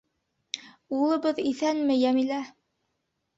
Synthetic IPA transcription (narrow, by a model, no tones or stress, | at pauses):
ulˠɤ̆βɤðiθænmɘjæmilæ